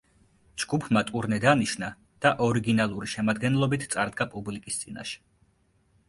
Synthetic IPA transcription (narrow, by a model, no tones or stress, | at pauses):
d͡ʒɡ̥upʰmat̪ʼuɾnɛd̪aniʃna | d̪̥aʔɔɾiɡinalˠuɾiʃɛmad̪ɡɛnlˠɔbit̪ʰt̪sʼaɾd̪̚ɡapʼublikʼist̪sʼina̰ʃɛ̥